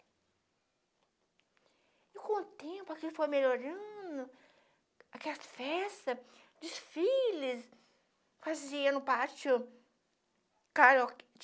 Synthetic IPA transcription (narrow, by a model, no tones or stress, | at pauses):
ɪkõʊt̪ẽmpʊakilfojmeʎoɾɐ̃d̪ʊ | akɛfɛst̪ɐ | d͡ʒ̪ɪsfilis | faziɐ̃nʊpaɾt͡ʃʊ | kaɾɔ